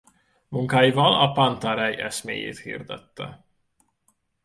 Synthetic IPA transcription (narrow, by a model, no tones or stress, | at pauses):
muŋkaːjivɒlɒpant̪aɾɛjɛsmeːjḛːt̪hḭːrd̪ɛt̪ːɛ